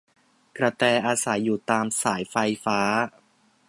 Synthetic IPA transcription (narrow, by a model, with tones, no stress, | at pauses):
kɾa˧t̪ɛː˧ʔaː˧sa˩˦jːuː˨˩t̪aː˧msaː˩˦jfa˧jfaː˦˥